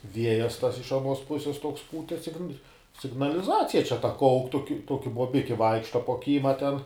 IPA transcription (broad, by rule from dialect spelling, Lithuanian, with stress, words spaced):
ˈʋʲiɛjɛs tɐs ɪʃ ɐˈnuɔs ˈpʊsʲɛs toːks ˈpuːtʲɛ sʲɪɡn sʲɪɡnɐlʲɪˈzɑːt͡sʲɪjɛ t͡ʃʲɛ tɐ ˈkɐʊk toːk ˈtoːkʲɪ boːbʲɪkʲɪ ˈʋɐɪkʃtɐ poː ˈkʲiːmɐ ˈtʲɛn